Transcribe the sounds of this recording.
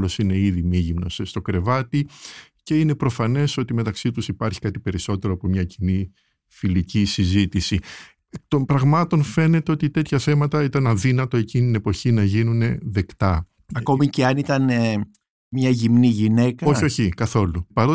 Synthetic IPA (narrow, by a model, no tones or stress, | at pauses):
lo̞sine̞iðimiʝimno̞sst̪o̞kɾe̞vɐt̪i | ce̞ine̞pɾo̞fɐne̞so̞t̪ime̞t̪ɐksit̪usipɐɾçi̥kɐt̪ipe̞ɾiso̞t̪e̞ɾo̞ɐpomɲɐcini | filicisizit̪isi | t̪o̞mpɾɐɣmɐt̪o̞nfe̞ne̞t̪e̞o̞t̪it̪e̞t̪çɐθe̞mɐt̪ɐit̪ɐnɐðinɐt̪o̞e̞cinit̪ine̞po̞çinɐʝinune̞ðe̞kt̪ɐ | ɐko̞miceɐnit̪ɐne | mɲɐʝimniʝine̞kɐoçoçikɐθo̞lupɐɾo